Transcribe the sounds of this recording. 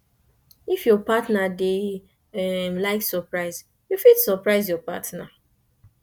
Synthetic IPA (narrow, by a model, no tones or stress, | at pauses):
ifjɔpatnade | ɛmlaɪksɔpɹaɪz | jufidsɔpɹaɪzjɔpa̰tna